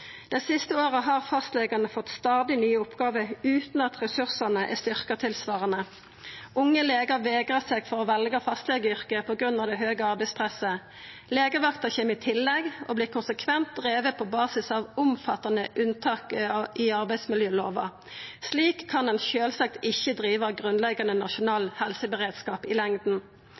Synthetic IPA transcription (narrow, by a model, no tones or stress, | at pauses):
d̪̥ɛsɪst̪əoːʁəɦɑːʁfɑst̪leːɡənəfɔt̪st̪ɑːd̪ɪnyːəʊpɡɑːʋəʉːt̪n̩ɑt̪ʁɛsʉʁsənəʔæ̰st̪ʏʁkət̪ʰɪlsʋɑːʁənə | ʔʊŋːəleːɡəʁʋeːɡʁəseːɡfɔʁoːʋɛlɡəfɑst̪leːɡəʏʁkəpʰɔːɡʁʉnɑʋd̪ɛɦøːɡəɑʁbæɪspʰʁɛsə | leːɡəʋɑkt̪ɑçɛmɪt̪ʰɪlːɛɡo̰bliːkʰʊnsəkʰʋɛnt̪̚d̪ʁeːʋəpʰɔbɑːsɪsɑʋʊmfɑt̪ɑnəʔʉnt̪ʰɑːkiɑʁbæɪsmɪljøːloːʋɑ̰ | sliːkʰːɑnɛnçøːlsɑk̚t̪ɪçəd̪ʁiːʋɑɡʁʉnlɛɡɑnənɑʃʊnɑːlhɛlsəbəʁeːd̪skɑːpɪlɛŋd̪n̩